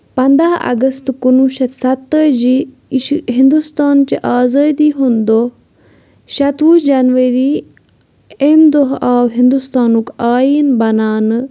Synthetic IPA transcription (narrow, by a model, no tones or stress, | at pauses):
pɐnd̪aːɐ̰ɡəst̪kunuːʃɐt̪sɐt̪ːəd͡ʒi | ɦĩnd̪ust̪aːnt͡ʃiʔaːzaːd̪iɦund̪oː | ʃɐt̪uːd͡ʒɐnʋɐɾi | emd̪oɦaːwɦĩnd̪ust̪aːnukaːjiːnbɐnaːn